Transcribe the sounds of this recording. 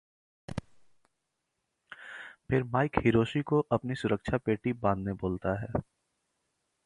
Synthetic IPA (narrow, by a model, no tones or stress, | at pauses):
pʰɪɾmaːɪkhɪɾoːʃikoʔɐpnisʊɾəkʃʰapeːʈibãːnd̪neboːlt̪aɦɛː